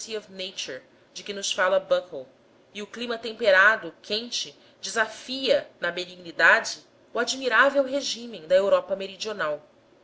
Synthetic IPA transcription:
siɔvnejt͡ʃɔɾ | d͡ʒɪkɪnʊsfalɐbɐkl | iʊklimɐt̪ẽmpeɾad̪ʊkʰẽnt͡ʃɪ | d͡ʒɪzafiɐnɐbeniɡnid̪ad͡ʒɪ | ʊad͡ʒmiɾavewɦeʒĩmẽd̪ɐewɾɔpɐmeɾid͡ʒionaw

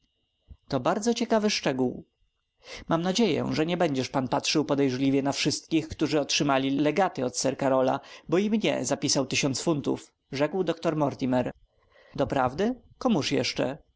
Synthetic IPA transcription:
t̪ɔbaɾd̪zɔt͡ɕɛkavɘʂt͡ʂɛɡuw | mamnad͡ʑejɛ̰ʐɛɲɛbɛɲd͡ʑɛʂpanpatʂɘwpɔd̪ɛjʐlʲivʲjɛnafʂɘst̪̚kʲixkt̪uʐɘɔtʂɘmalʲilɛɡat̪ɘɔt̪sɛɾkaɾɔla̰bɔimɲɛ̰zapʲisawt̪ɘɕɔnt̪sfunt̪ṵf | ʐɛkwd̪ɔkt̪ɔɾmɔɾt̪ʲimɛɾ | d̪ɔpɾavd̪ɘ | kɔmuʂjɛ̰ʂt͡ʂɛ̰

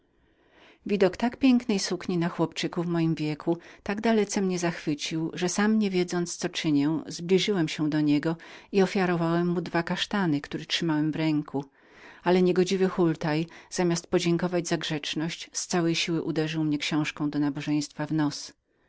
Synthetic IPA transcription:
vʲid̪ɔkt̪akpʲjɛŋknɛjsukɲinaxwɔpt͡ʂɘkuvmɔjimvʲjɛkʰut̪aɡd̪alɛt̪sɛmɲɛzaxfɘt͡ɕiwʐɛsamɲɛvʲjɛd̪zɔnt̪st̪sɔt͡ʂɘɲɛw̃zblʲiʐɘwɛmɕɛ̃d̪ɔɲɛɡɔiɔfʲjaɾɔvawɛmːud̪vakaʂt̪anɘkt̪uɾɛtʂɘmawɛmvɾɛŋku | alɛɲɛɡɔd͡ʑivɘxult̪ajz̥amʲast̪̚pɔd͡ʑeŋkɔvad͡ʑzaɡʐɛt͡ʂnɔɕt͡ɕst̪sawɛjɕiwɘʔud̪ɛʐɘwmɲɛkɕɔ̃w̃ʂkɔ̃w̃d̪ɔnabɔʐɛ̃j̃st̪favnɔs

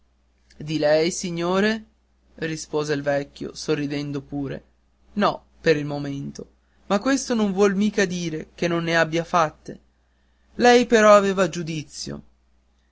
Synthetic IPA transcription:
d̪ilɛjsiɲːoːɾe | rispoːzeilvɛkʲːjo̰sorːid̪ɛnd̪opuːɾḛ | nɔ | peɾilmoment̪o | makːwest̪onoɱvwɔlmiːkad̪iːɾek̟enːonːeabːjafat̪ːḛ | lɛjpeɾɔaveːvad͡ʒud̪it̪sːjo̰

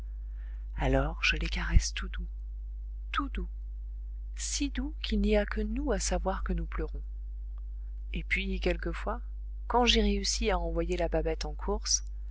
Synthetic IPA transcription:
alɔʁʒ̥əlekaʁɛst̪ud̪u | t̪ud̪u | sid̪ukʲʰilniakʰənuasavwaʁkənupləʁɔ̃ | epɥikʲɛlkəfwa | kɑ̃ʒeʁeysiaɑ̃vwajelababɛt̪ɑ̃kʰuʁs

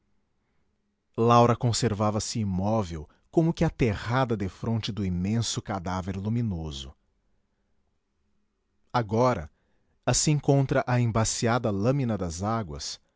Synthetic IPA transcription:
lawɾɐkõseɾvavɐsɪimɔvew | kõmʊkɪat̪eʁad̪ɐd̪efɾõnt͡ʃɪd̪ʊimẽsʊkad̪aveɾlumĩnozʊ | aɡɔɾɐ̰ | asĩkõnt̪ɾɐʔɐẽbasiad̪ɐlɐ̃mĩnɐd̪ɐzaɡwɐ̰s

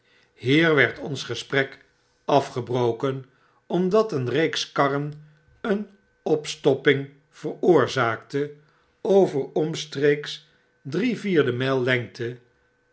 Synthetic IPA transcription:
ɦiːɹʋɛɹtɔnsχəsprɛk | ɑfχəbrowkən | ɔmdɑtənrejkskɑrən | ən | ɔpstɔpɪŋ | v̥ərʊːɹzaːktə | owvəɹɔmstreks | driviːɹdəmɛjlˠːɛŋk̚tʰə

